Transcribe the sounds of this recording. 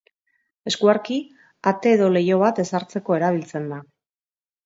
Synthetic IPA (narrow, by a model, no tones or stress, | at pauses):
e̞skuaɾki | at̪e̞ːðo̞le̞jo̞βat̪e̞saɾt͡se̞ko̞e̞ɾaβ̞ilt͡se̞nd̪a